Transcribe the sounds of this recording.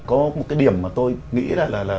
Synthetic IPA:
kɔ˨˦mo˨˩kaː˨˦jɗi˨˩əmːaː˨˩t̪o˧jŋḭ˧˥zaː˧˩laː˨˩laː˨˩

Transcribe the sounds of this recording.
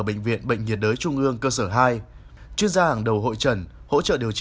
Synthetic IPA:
ɓḛ˧˨ŋ̟vḭ˧˨ənɓə̰˧˨ŋ̟ŋi˨˩ət̚ɗəː˨˦jt͡ɕʊ˧ŋ͡mʔɨ˧əŋkəː˧səː˧˩ɦaː˧j | t͡ɕwi˧ənzaː˧haː˨˩ŋɗə˨˩wɦo̰˧˨jt͡ɕə˧˩nho̰˧˥t͡ɕə̰ː˧˨ɗi˨˩əwt͡ɕ

